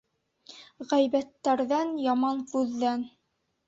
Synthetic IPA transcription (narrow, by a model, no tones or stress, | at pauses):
ʁæjbæt̪ːæɾðænjɑmɑnfʉðːæn